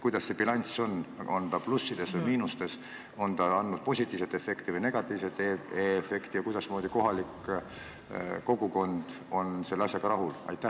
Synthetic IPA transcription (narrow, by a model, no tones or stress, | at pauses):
kujd̪ɑsːe̞bilɑnʲso̞no̞nt̪ɑplusːid̪̥e̞svɯjmiːnust̪e̞s | o̞nt̪ɑɑnːud̪̥̚po̞sʲit̪ːˑiːvse̞t̪ːˑe̞fe̞kt̪ivɨjne̞ɡ̥ɑt̪ːˑiːvse̞t̪ːˑeefe̞kt̪ijɑkujd̪̥ɑsmoːd̪iko̞ɦɑlikː | ko̞ɡ̥uko̞nd̪̥ | o̞nse̞lːɑsʲjɑɡ̥ɑɾɑɦulɑ̰jt̪ːˑæ